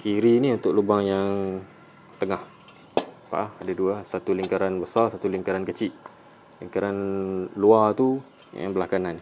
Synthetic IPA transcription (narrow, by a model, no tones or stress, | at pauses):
kiɾiniunt̪ʊk̚lubaŋjaŋ | t̪əŋah | pa̰ʔahadaduasat̪uliŋkaɾanbəsarsat̪uliŋkaɾankət͡ʃiʔ | lḭŋkaɾanluat̪u | ja̰ŋbəlakanan